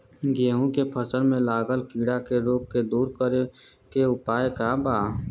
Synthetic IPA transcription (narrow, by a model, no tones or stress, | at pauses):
ɡeːɦũkepʰəsənmẽlaːɡəlkiːɽakeɾoːk̚ked̪uːɾkəɾekeʊpaːjkaːbaː